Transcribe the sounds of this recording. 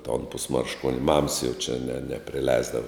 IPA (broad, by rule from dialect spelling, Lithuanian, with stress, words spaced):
toːn pʊsmɐrʃˈkuɔnʲ mɐms jɛʊ t͡ʃʲɛ nʲɛ nʲɛ nʲɛpʲrʲɪˈlʲɛɪzdɐʋɐ